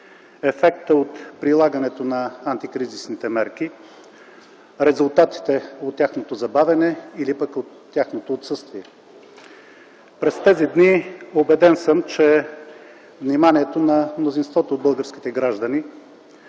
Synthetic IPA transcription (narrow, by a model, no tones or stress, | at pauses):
ɛfɛkt̪əot̪pɾilˠaɡənɛt̪onɐant̪ikɾizisnit̪ɛmɛɾk̟i | ɾɛzʊlˠt̪at̪i̥t̪ɛot̪ːʲjaxnot̪ozɐbavʲɐnɛilipəkot̪ːjaxnot̪oːt̪sɤst̪viɛ | pɾɛst̪ɛzid̪niobɛd̪ɛnsəmt͡ʃɛ | vnimaniɛt̪onɐmnozinst̪vɔt̪oːd̪̚bɤlˠɡəɾsk̟ʲi̥t̪ɛɡɾaʒd̪ɐni